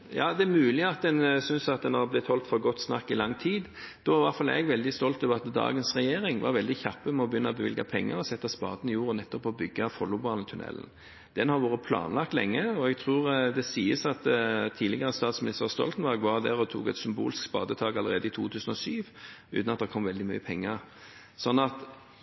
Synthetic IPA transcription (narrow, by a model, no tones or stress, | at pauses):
jɑːd̪ɛæmʉːlɪɑt̪̚d̪ɛnsʏnsɑt̪̚d̪ɛnhɑblɪt̪hɔlt̪fɔɾɡɔt̪ːsnɑ̰kːɪlɑŋːt̪ʰiːd̪d̪̥ɔɑɾʋɑʁt̪fɑlɛ̰ɡʋɛld̪ɪst̪ɔlt̪ɔʋəɾɑt̪d̪ɑ̰ːɡənsʁɛjeːɾɪŋʋɑ̰ɾʋɛld̪ɪçɑpːəmɛɔbəjʏnːəɔbəʋɪ̰lɡɑpʰɛŋːə̰ɾɔsɛt̪ːɑspɑ̰ːd̪ənɪjuːɾnɛt̪ːɔpɔbʏɡːɑfɔlːʊbɑːlnt̪ʰʉnɛ̰lːn̩ | d̪̥ɛnhɑɾʋoːɾəpʰlɑ̰ːnlɑkt̪lɛ̰ŋːəɔɛɡ̚t̪ʰʁuːʁd̪ɛsiːəsɑt̪t̪ʰiːlɪɡəʁəst̪ɑːt̪smɪnɪst̪əʁst̪ɔ̰lt̪ənbɛɡʋɑʁd̪æʁɔt̪ʰṵːkɛt̪sʏmbṵːlskspɑ̰ːd̪ət̪ʰɑːɡɑlːəʁeːd̪əɪt̪ʰuːt̪ʰʉːsn̩ɔsyːʋʉ̰ːt̪nɑt̪d̪ɛɾkʰɔmːʋɛld̪ɪmyːəpʰɛŋːəɾ | sɔnːɑt̪